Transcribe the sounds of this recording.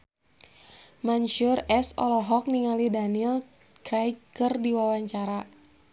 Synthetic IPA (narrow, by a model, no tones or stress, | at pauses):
manʃurɛsɔlɔɦɔk̚niŋalidanil | kɾajkɨrdiwawaɲt͡ʃaɾa